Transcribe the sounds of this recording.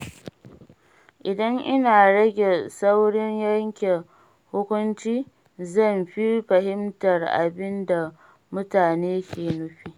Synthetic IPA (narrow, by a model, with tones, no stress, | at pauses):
ʔɪ˨dɐ˦ŋʔɪ˦naː˨ɽɐ˦ɡʲe˨sɐ˦wɽɪ˦ɲjɐ˦ŋkʲe˨ | hʊ˦kʷʊ˦nt͡ʃiː˦ | zɐ˦˨mɸi˦ɸɐ˨ɦɪ˦mtɐ˨rʔa̰˨bɪ˦nda˨ | mʊ˦taː˨neː˦kʲeː˨nʊ˦ɸi˦ʔ